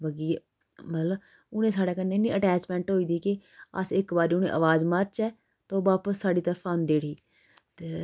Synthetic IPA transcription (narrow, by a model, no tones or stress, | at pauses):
bəɡij | mət̪ləb | ʊnẽːsaːɽeːkənːeːnːĩːʔəʈɛːt͡ʃmɛ̃ːɳʈɦoːiːd̪iːkɪə̰sɪkbaːɾiːʊnḛ̃ːʔəʋaːzməɾt͡ʃɛː | t̪oːʋaːpəsːaːɖiːt̪əɾfʰãnd̪eːɽiː | t̪eː